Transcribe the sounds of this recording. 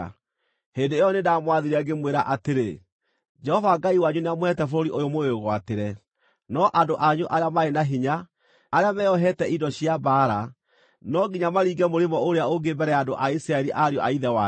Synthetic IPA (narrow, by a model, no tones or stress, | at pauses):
hendeejɔnedamwaðeɾiaɡemweɾaʔateɾḛ | d͡ʒɛhɔvaɡaiwaɲuneamohɛtɛfoɾoɾiʔojomoeɣwateɾɛ | nɔʔandoʔaɲoʔaɾeamaenaɦiɲaː | ɾeamɛɔɦɛtɛʔidɔɕiabaːɾa | nɔɡiɲamaɾiːɡɛmoɾemɔoɾeaoɡebɛɾɛjadoʔaisiɾaɛɾiʔaɾeɔʔaiðɛwa